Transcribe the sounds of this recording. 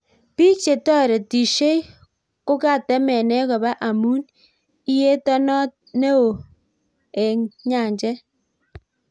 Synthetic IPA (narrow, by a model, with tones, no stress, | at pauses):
pi˦t͡ʃe˨tɔ˦˨ɾe˨ti˨ʃe˦ | ko˦ka˦˨tɛ˦mɛ˨nɛ˦kɔ˨ba˦ʔa˨mu˦n | i˦je˦tɔ˦nɔ˦t̚ne˦o˨ | e˨ŋɲa˨ɲd͡ʒɛ˦